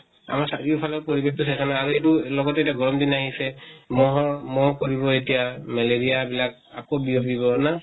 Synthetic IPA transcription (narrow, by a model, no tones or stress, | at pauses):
a̰maɹsaɹipʰalɔɹpoɹibɛk̚tusakanaaɹuebulɔɡɔtɛetiaɡɔɹɔmdinaɦisɛmɔɦɔmɔkoɹibɔetijamɛleɹijabilak̚ | a̰kobiopibɔna